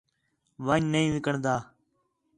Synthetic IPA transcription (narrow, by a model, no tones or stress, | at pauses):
ʋaɲnəĩːʋɪkəɳd̪aː